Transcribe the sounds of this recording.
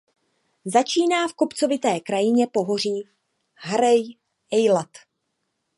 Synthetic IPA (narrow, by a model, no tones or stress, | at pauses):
zat͡ʃiːnaːfkopt͡so̞vɪt̪ɛːkɾajɪɲɛpo̞ɦo̞riː | ɦɾɛj | ʔɛjlat̪